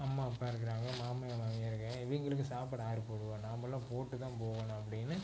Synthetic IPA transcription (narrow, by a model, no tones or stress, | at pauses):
ɐmːaːɐpːaːɪɾɯk̬ːɪɾaːŋɡɐmaːmɐjɐmaːmːɪɾɯkːɐ | ʋiŋɡɐɭɯk̬ːɯsaːpɐɽaːɾɯpoːɽɯʋõnaːmbɐlːãːpoːʈːɯt̪ãːpoːɣɐnɐ̃ɐp̬ːɐɽɪnːɯ